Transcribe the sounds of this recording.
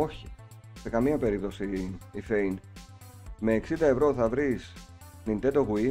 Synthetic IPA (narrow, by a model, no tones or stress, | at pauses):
o̞çi̥se̞kɐmiɐpe̞ɾip̚t̪o̞siife̞jn | me̞ːksind̪ɐe̞vɾo̞θɐvɾis | nint̪e̞t̪oɣui